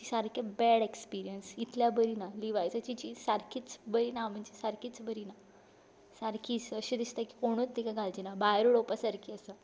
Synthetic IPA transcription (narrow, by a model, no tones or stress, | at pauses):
t͡ɕisaɾkʰebɛɽekspiɾijənsit̪ʰljabəɾinaliʋajt͡sət͡ɕit͡ɕisaɾkʰiːt͡sbəɾinam̤əɳd͡ʑesaɾkiːt͡sbəɾina | saɾkʰiːt͡səɕed̪ist̪əki̥koɽ̃uːt͡st̪ːikaɡʱald͡ʑinabajɾuɽopəsaɾkʰiːəsə